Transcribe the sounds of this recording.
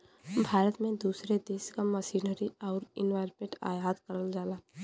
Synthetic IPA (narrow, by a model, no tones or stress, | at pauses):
bʱaːɾət̪mẽd̪uːsɾed̪eːskaməʃiːnəɾiɔːɾɪnʋaːɾpẽʈa̰ːjaːd̪kəɾəld͡ʒaːlaː